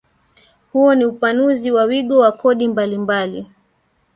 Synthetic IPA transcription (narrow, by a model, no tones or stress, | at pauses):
huɔniupanuziwawiɠɔwakɔɗimbalimbali